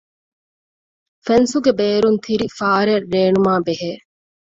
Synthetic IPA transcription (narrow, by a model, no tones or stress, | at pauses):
fensuɡebeːɾunt̪ʰiɾifaːɾerːeːnumaːbeɦeː